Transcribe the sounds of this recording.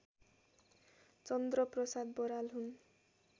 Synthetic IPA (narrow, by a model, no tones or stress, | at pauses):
t͡sʌnd̪rʌprʌsad̪̚bʌɾalɦun